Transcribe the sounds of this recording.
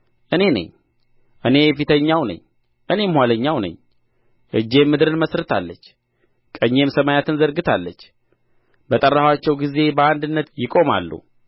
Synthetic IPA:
ʔɨne̞nə̰ɲ | ʔɨne̞fit̪ʰəɲːawnə̰ɲː | ʔɨne̞mhʷwaləɲːawnə̰ɲː | ʔɨd͡ʒːe̞mːɨd̪ɨɾɨnməsɾɨt̪ʰalːət͡ʃː | kʼəɲːe̞msəmajat̪ʰɨnzəɾɡɨt̪ʰalːət͡ʃː | bət̪ʼərːahwat͡ʃːɛwɡize̞bəand̪ɨnːət̪jɪkʼo̞ma̰lːṵ

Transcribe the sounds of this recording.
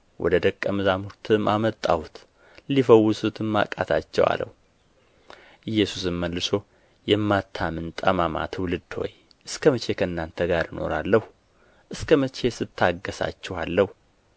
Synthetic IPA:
wʔɔ̰d̪əd̪əkʼːəmɨzamuɾt̪ʰɨmʔamət̪ʼːa̰wut̪ | lifəwːʊsut̪ʰɨmːa̰kʼat̪ʰat͡ʃːɛ̰wa̰lə̰h | ʔɨjːɛsusɨmːəlːɨso̞ | jɛmːat̪ʰːamɨnt̪ʼəmama̰t̪ʰwlɨd̪ːho̞̰j | ʔɨskʰəmət͡ʃʰe̞kʰəɨnːant̪ʰəɡaɾjɨno̞̰ɾalːəhu | ʔɨskʰəmət͡ʃe̞sɨt̪ʰːaɡːəsa̰t͡ʃːɛhalːəhu

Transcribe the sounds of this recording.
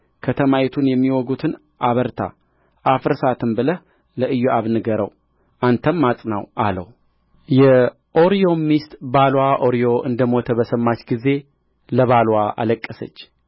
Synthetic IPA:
kʰət̪ʰəmajɛt̪ʰunjɛmːiwɔɡut̪ʰɨn | ʔaβəɾt̪ʰa̰ | ʔafɨɾsat̪ʰɨmbɨləh | ləʔɨjːuʔaβnɨɡəɾə̰w | ʔant̪ʰəmːat͡sʼnawʔalə̰w | jɛ | ʔo̞ɾijo̞mist̪balwaʔo̞ɾijo̞ʔɨnd̪əmot̪ʰəbəsəmːat͡ʃːɡize̞ | ləβalwaʔa̰ləkʼːəsə̰t͡ʃː

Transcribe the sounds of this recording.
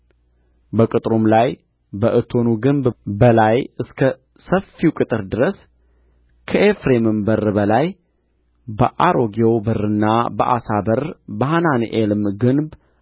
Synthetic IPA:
bəkʼɨt̪ʼɾomlaj | bəʔɨt̪ʰo̞nuɡɨmbbəlajɨskʰə | səfːiwkʼɨt̪ʼɨɾd̪ɨɾəs | kʰəʔefɾemɨmbəɾbəlaj | bəʔaɾo̞ɡeobərːɨnːabəʔa̰sabəɾbəɦananʔelɨmɡɨnb

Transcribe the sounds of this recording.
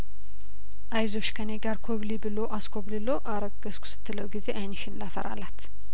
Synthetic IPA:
ʔajzoʃkʰəneɡaɾkʰoβlibɨlo̞ʔaskoβlɨlo̞ʔaɾəɡ̥əskʰʷʊ̥sɨ̥t̪ːɨləwɡize̞ʔajnɨʃɪnlafə̰ɾa̰lat̪

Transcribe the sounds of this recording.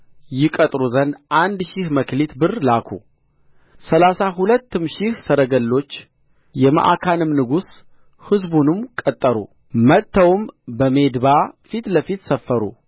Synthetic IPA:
jɪkʼət̪ʼɾuzənʔand̪ʃɪhməklit̪bɨrlakʰṵ | səlasaɦulət̪ːɨmʃɪhsəɾəɡəlːo̞t͡ʃː | jɛma̰ʔa̰kʰanɨmnɨɡus | hɨzbunɨmkʼət̪ʼːəɾṵ | mət̪ʰːəwmbəme̞d̪bafit̪ləfit̪səfːəɾṵ

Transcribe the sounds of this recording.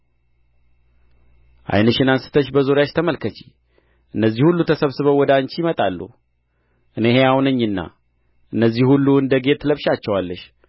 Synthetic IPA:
ʔa̰jnəʃɨnansɨ̥t̪ʰəʃbəzo̞ɾjaʃt̪ʰəməlkʰət͡ʃi̥ | ʔɨnːəzːihulːut̪ʰəsəβsɨβəwːɔd̪ant͡ʃijmət̪ʼalːṵ | ʔɨnehe̞awnəɲːɨnːa̰ | ʔɨnːəzːihulːuɨnd̪əɡe̞t̪ləβʃat͡ʃːɛwalːəʃ

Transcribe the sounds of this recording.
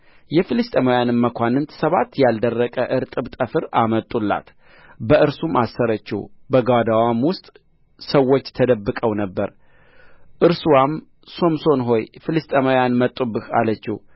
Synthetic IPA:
jɛfɨlɨst̪ʼemojanɨmːəkʷanɨnt̪ʰsəβat̪ːjald̪ərːəkʼəʔɨɾt̪ʼɨbt̪ʼəfɨɾamət̪ʼːulːa̰t̪ | bəʔɨɾsumasːəɾət͡ʃːɪ̰bəɡad̪awamwʊst̪ʼ | səwːo̞t͡ʃːt̪ʰəd̪əbːɨkʼəwnəbːəɾ | ʔɨɾsuwam | so̞mso̞nɦo̞jfɨlɨst̪ʼemojanmət̪ʼːubɨha̰lət͡ʃːɪh

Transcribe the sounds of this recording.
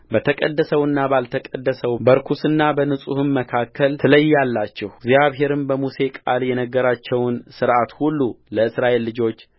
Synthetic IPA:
bət̪ʰəkʼəd̪ːəsəwɨnːabalt̪ʰəkʼəd̪ːəsəwbəɾkʰusɨnːabənɨsʼuhɨnməkʰakʰːəlt̪ʰɨləjːalːat͡ʃːɛhɡzijaβɦe̞ɾɨnbəmuse̞kʼaljɛnəɡːəɾat͡ʃːɛwnsɨɾʔat̪hulːuləɨsɾaʔe̞lːɨd͡ʒo̞t͡ʃː

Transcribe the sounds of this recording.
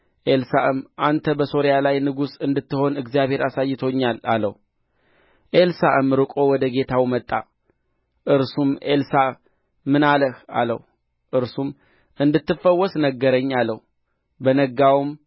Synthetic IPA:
ʔelsaʔɨmʔant̪ʰəbəso̞ɾjalajnɨɡusɨnd̪ɨt̪ːɨho̞nɨɡzijaβhe̞ɾasajːɪt̪ʰo̞ɲːala̰lə̰h | ʔelsaʔɨmɾɨkʼo̞wɔd̪əɡe̞t̪ʰawmət̪ʼːa̰ | ʔɨɾsumʔelsa | mɨnaləha̰lə̰h | ʔɨɾsum | ʔɨnd̪ɨt̪ːɨfəwːɔsnəɡːəɾəɲːalːəh | bənəɡawm

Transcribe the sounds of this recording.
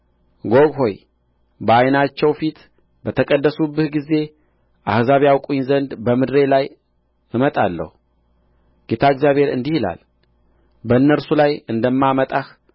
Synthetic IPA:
ɡo̞ɡho̞j | bəajnat͡ʃːɛwfit̪ | bət̪ʰəkʼəd̪ːəsubːɨhɡize̞ | ʔahzaβjawkʼuɲzənd̪bəmɨd̪ɾe̞laj | ɨmət̪ʼalːə̰hu | ɡ̥et̪ʰaɨɡzjaβhe̞ɾɨ̰nd̪ihila̰l | bəɨnːəɾsulajɨnd̪əmːamət̪ʼah

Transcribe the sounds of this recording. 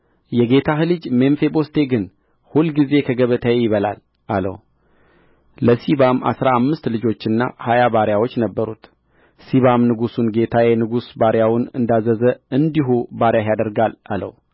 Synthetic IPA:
jɛɡe̞t̪ʰaɦɨlɨd͡ʒmenfe̞bo̞st̪ʰe̞ɡɨn | hulɡize̞kʰəɡəβət̪ʰəjejɪβəla̰l | ʔalə̰w | ləsiβama̰sɾaːmːɨst̪lɨd͡ʒo̞t͡ʃːɨnːa̰hajabaɾjawo̞t͡ʃːnəbːəɾut̪ | siβamnɨɡusunɡe̞t̪ʰajɛnɨɡusbaɾjawunɨ̰nd̪azəzəɨnd̪iɦubaɾjajad̪əɾɡalalə̰w

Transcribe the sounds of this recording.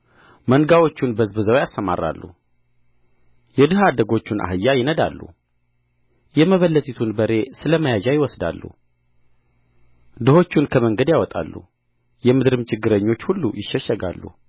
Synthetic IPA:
mənɡawo̞t͡ʃːunbəzbɨzəwjasːəma̰rːa̰lːṵ | jɛd̪ɨɦad̪əɡo̞t͡ʃːuna̰ɦɨjːajɪnəd̪a̰lːṵ | jɛməβəlːət̪ʰʼit̪ʰunbəɾe̞sɨləməjaʒajɪwɔsd̪a̰lːṵ | d̪ɨho̞t͡ʃːunkʰəməŋɡəd̪jawɔt̪ʼa̰lːṵ | jɛmɨd̪ɾɨmt͡ʃʰɪɡːɨɾəɲːo̞t͡ʃːhulːṵjɪʃːɛʃːəɡa̰lːṵ

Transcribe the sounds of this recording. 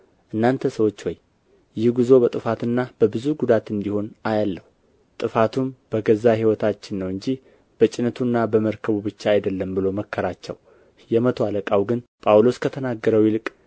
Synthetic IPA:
ʔɨnːant̪ʰəsəwo̞t͡ʃːwɔj | jɪhɡuzo̞bət̪ʼɨfat̪ɨnːab̥əbɨzuɡud̪at̪ɨnd̪iho̞najalːəhu | t̪ʼɨfat̪ʰumb̥əɡəzaɦiwɔt̪ʰat͡ʃːɪnːəwɨɲd͡ʒi | b̥ət͡ʃʼɪnət̪ʰunːabəməɾkʰəβubɨt͡ʃːaajd̪əlːəmbɨlo̞məkːəɾat͡ʃːɛ̰w | jɛmət̪ʰoaləkʼawɡɨnpʼawlo̞skʰət̪ʰənaɡːəɾəwjɪlɨkʼ

